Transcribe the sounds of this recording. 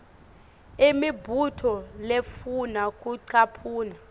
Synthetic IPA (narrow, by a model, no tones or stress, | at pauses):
imibʱutʰɔlefunakʼuǀʰapʰuːna